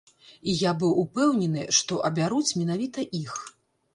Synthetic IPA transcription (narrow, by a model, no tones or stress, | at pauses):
ijabɨwupɛwnʲɛnɨʂt̪ɔʔɐbʲaɾut͡sʲmʲɛn̪avʲit̪ɐʔix